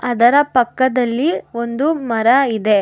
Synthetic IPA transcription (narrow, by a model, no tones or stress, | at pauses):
ɐd̪ɐɾɐpɐkːɐd̪ɐlːio̞nd̪umɐɾɐid̪e̞